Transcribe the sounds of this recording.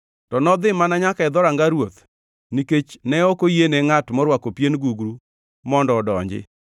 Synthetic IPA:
tɔnɔd̪ɪmanaɲakaɛd̪ɔɾaŋɡaɾwot̪ | niket͡ʃnɛɔkojeneŋatmɔɾwakopjenɡuɡɾu | mɔndɔːdɔɲd͡ʒɪ̰

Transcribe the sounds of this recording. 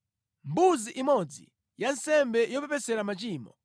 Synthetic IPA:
mbuziʔimɔd͡zḭ | jansɛmbɛjɔpɛpɛsɛɾamat͡ʃiːmɔ

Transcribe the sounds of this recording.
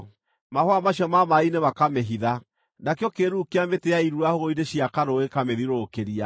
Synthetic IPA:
mahwamaɕjɔmamainemakameɦiða | nakeɔkeɾukeameteaiɾuahoɣoideɕiakaɾoekameðiɾokeɾia

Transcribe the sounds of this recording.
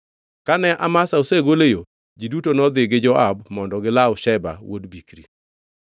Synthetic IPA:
kanɛʔamasaoseɡolejo | d͡ʒidutonɔd̪ɪɡɪd͡ʒɔʔabmɔndɔɡɪlaʊʃɛba̰wo̰dbikɾḭ

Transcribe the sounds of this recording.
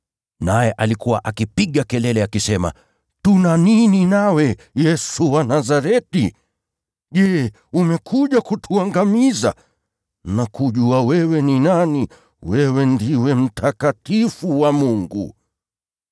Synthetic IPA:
najɛʔalikuwaʔakipiɠakɛlɛlɛakisɛma̰ | tunanininawɛ | jɛsuwanazaɾɛtḭ | ʄɛː | umɛkʰuʄakutʰuaŋɡamiza̰ | nakuʄuawɛwɛninani | wɛwɛndiwɛm̩tʰakatifuwamuŋɡṵ

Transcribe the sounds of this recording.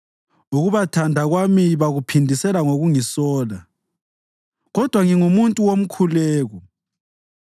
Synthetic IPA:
uɣuβatʰandʱaɣwamiβaɣupʰindʱisɛlaŋoɣuŋisɔːla | ɣɔd̥ʱwaŋiŋumuntʼuwom̩kʰulɛːɣɔ

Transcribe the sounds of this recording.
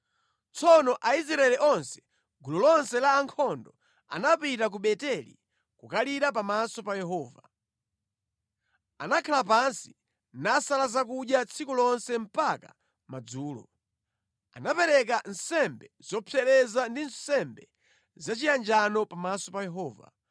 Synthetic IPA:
t͡sɔnɔʔais̬ɾaɛliʔɔnsɛ̥ | ɡulɔlɔnsɛlaːŋkʰɔndɔ | a̰napitak̬uɓɛtɛlḭ | kukaliɾap̬amasɔpajɛɦɔːva | a̰nakʰalapansi | nasalazakuɗjat͡sʰikulɔnsɛm̩paka̰ | mad͡zuːlɔ̰ | a̰napɛɾɛk̬an̩sɛmbɛz̥ɔpʰɛɾɛzandinsɛmbɛ | zat͡ʃijand͡ʒanɔpamasɔpajɛɦɔːva̰

